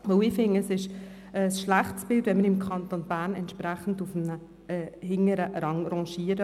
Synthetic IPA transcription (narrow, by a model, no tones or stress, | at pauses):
ʋəʊɪːfɪŋəəsɪʃ | ɛsʃlæχtsb̥ɪldʋɛnməɾɪmkʰɑntonb̥æːɾnɛnt̪ʃpɾæχən̩dufmnə | ɛːhɪŋəɾəɾɑŋɾɑ̃ʃiəɾə